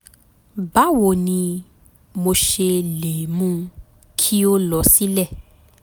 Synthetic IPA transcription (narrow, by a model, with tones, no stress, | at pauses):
ba˨˦wo˨nĩ˧ | mo˧ʃe˧le˨mũ˦ | kʰi˦o˦lɔ˧si˦lɛ˦˨